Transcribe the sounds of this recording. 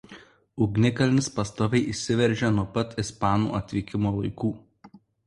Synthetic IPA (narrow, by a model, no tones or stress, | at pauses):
ʊɡnʲɪkɐlʲnʲɪspɐst̪oːʋʲɛɪʔisʲɪʋʲɛɾʲʒʲɛnuɔpɐt̪ʲɪspɑːnṵːɐt̪ʲʋʲiːkʲɪmoːlˠɐɪkuː